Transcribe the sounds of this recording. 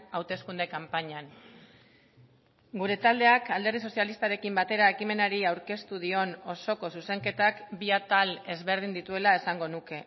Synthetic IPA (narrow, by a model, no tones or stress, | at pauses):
awt̪e̞skund̪ekampaɲan | ɡuɾe̞t̪ald̪e̞akald̪e̞ɾð̞iso̞sialist̪aɾe̞kimbat̪e̞ɾae̞kime̞naɾiawɾke̞st̪uð̞io̞no̞so̞ko̞suse̞ŋke̞t̪akbiat̪ale̞zβe̞ɾð̞ind̪it̪ue̞lae̞saŋɡo̞nuke̞